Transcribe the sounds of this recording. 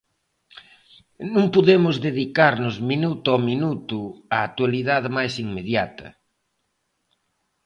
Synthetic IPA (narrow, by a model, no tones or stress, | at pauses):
nũŋpoðemʊzðeðikaɾnʊzminut̪ʊɔminut̪ʊaːk̚t̪waliðaðmajsiŋmeðjat̪ɐ̰